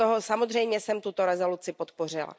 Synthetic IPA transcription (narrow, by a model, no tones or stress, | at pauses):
oɦosamod̪r̝ɛjmɲɛsɛmt̪ut̪oɾɛzo̞lut͡sɪpot̪por̝ɪla̰